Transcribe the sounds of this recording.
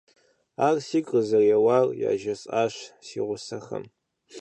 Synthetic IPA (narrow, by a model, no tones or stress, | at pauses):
arsikʼəzɐrjawarja̰ːʒɐsʼaʃʷsḭʁʷʊsɐχɐ̰m